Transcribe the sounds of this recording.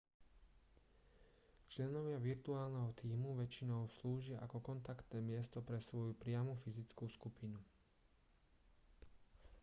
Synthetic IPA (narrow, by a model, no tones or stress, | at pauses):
t͡ʃlɛnɔʋɪaʋiɾt̪uaːlnɛɦɔt̪iːmuʋɛt͡ʃinɔʊsluːʒɪaʔakɔkɔnt̪akt̪nɛːmɪɛst̪ɔpɾɛsʋɔjupɾɪamufizit͡skuːskupinu